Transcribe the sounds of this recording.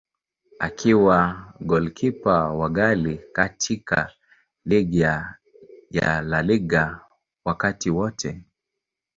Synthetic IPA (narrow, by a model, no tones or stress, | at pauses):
akʰiwaɡɔlkʰipawaɡalikatʰika̰ | liɡia | ja̰laliɡa | wakatiwɔtʰɛ